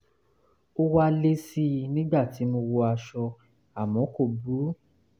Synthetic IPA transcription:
o˦wa˧le˦si˦nĩ˦ɡ͡ba˦˨ti˨˦mo˧wo˧a˧ʃɔ˧ | a˨mɔ̃˨˦ko˦˨bu˨˦

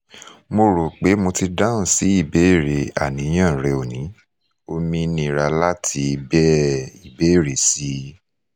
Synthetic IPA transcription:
mo˧ɾo˨k͡pe˨˦mo˧ti˧da˦ũ˦˨si˨˦i˦˨be˨˦i˦˨ɾe˨a̰˨nĩ˨˦j̃ã˦˨ɾɛ˧o˨nĩ˨˦ | o˧mĩ˧nĩ˧˨ɾa˧la˦tʰi˧˦˧bɛ˦i˨be˨˦i˦˨ɾe˨si˨˦

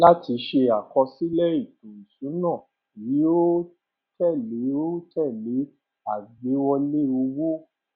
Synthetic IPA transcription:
la˦ti˧ʃe˧a˨kɔ˧si˦lɛ˦i˦˨tũ˨n̩˨sũ˨˦nã˦˨ | ji˨˦o˦ | tɛ˦˨le˨˦o˦tʰɛ˦˨le˨˦ | a˦˨ɡ͡be˨˦wɔ˧le˦o˧wo˦

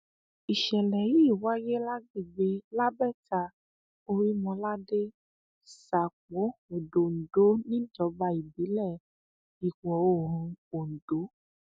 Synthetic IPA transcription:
i˨ʃɛ˨lɛ˨ji˦i˦˨wa˨˦je˦la˦ɡi˦˨ɡ͡be˧˦la˦bɛ˦˨ta˧ | o˧ɾi˦mɔ̃˧la˦de˦ | sa˨k͡po˨˦o˨do˨n̩˨do˨˦nĩ˦d͡ʒɔ˧˦ba˧i˨bi˨˦lɛ˦˨ | i˨kɔ̃˨o˦˨ɾũ˨˧o˨n̩˨do˨˦

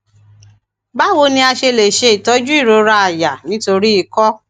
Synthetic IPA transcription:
ba˦wo˧˦nĩ˧a˧ʃe˧le˨ʃe˧i˨tɔ˨˦d͡ʒu˦i˦˨ɾo˨˦ɾa˧a˨ja˨nĩ˨˦to˧ɾi˦i˧kɔ˦

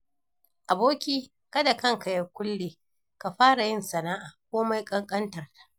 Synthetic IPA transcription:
ʔa˨boː˦kʲiː˦ | kɐ˦da˨kɐ˦ŋka˨jɐ˦kʷʊ˦lːeː˨ | ka˨ɸaː˦ɽa˨jɪ˦nsɐ˨naː˦ʔaː˨kʷoː˦ma˦jkʼɐ˦ŋkʼɐ˦ntɐ˨rtḁ˨ʔ

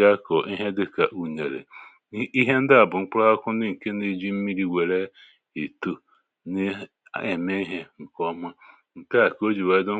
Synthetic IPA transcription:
a˦kɔ˨ʔi˦ɦe˦dɪ˦ka˨ʔu˨ɲe˨ɾḛ˨ | i˦ɦe˦n̩˦dɪ˦a˨bʊ˨ŋ͡m̩˦k͡pa˦a˦kʷʊ˦n̩˦ɪ˦ŋ̩˨ke˦ne˨d͡ʒi˦m̩˦mi˦ɾi˦wʷe˨ɾe˦ | e˨tu˦ | ne˦ | e˨me˦i˦ɦe˦ŋ̩˨kɔ˦ma˦ | ŋ̩˨ka˦˨ko˦d͡ʒi˨we˦dʊ˦

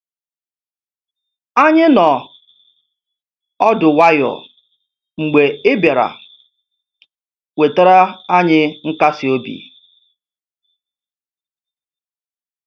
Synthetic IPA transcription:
a˦ɲɪ˦nɔ˨ | ɔ˦dʊ˨wa˦jɔ̰˨ | ŋ͡m̩˨ɡ͡be˨ɪ˦bja˨ɾa̰˨ | we˨ta˦ɾa˦a˦ɲɪ˦ŋ̩˦ka˦sɪ˨o˦bḭ˨

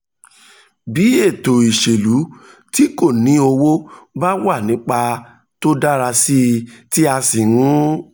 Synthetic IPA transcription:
bi˨˦e˦˨to˨i˨ʃe˨lu˨˦ | ti˦ko˦˨nĩ˨˦o˧wo˦ba˦wa˦˨nĩ˨˦k͡pa˧ | to˦da˦ɾa˧si˦˧ti˦a˧si˨ɾũ˦

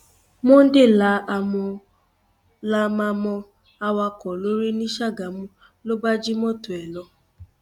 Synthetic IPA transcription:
mʊ˦n̩˦dɪ˦la˨˦ʔa˨mɔ˧ | la˦ma˧mɔ˧ | a˦wa˦kɔ˨lo˦ɾi˦ni˦ʃa˦ɡa˨m̩˦ | lo˦ba˦d͡ʒi˦mɔ˦tʊ˨ɛ˨lɔ˦

